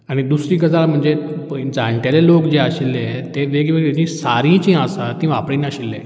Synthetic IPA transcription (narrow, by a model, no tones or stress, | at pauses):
aɽ̃id̪usɾĩːkəd͡zalm̤əɳd͡zed͡zãɳʈjalelokd͡ʑeaɕilːet̪eʋeɡʋeɡet͡ɕĩsaɾĩt͡ɕĩasat̪ĩʋapɽĩːnaɕilːḛ